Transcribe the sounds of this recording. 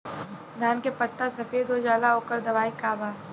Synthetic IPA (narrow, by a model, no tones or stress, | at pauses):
d̪ʱaːnkepət̪ːasɐfeːd̪od͡ʒaːlaɦoːkəɾd̪ɐʋaːikaːbaː